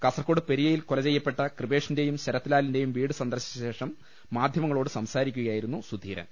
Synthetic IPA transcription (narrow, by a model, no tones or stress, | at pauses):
kɐsɐrkːo̞ːɽɨpeɾijɐjilkolɐt͡ɕe̞jːɐpːe̞ʈːɐkrɨbe̞ːʂinde̞jumɕɐɾɐt̪ːilaːlinde̞jumʋiːɽɨsɐnd̪ɐrɕi̥t͡ɕɐɕe̞ːʂɐmː | aːd̪ʱjɐmɐŋːɐɭo̞ːɽɨsɐmsaːɾikʲːuɣɐjaːjiɾunːusud̪ʱiːɾɐ̰